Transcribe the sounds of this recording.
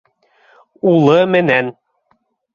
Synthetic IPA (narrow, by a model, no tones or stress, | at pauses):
ulˠɤmɘ̆næn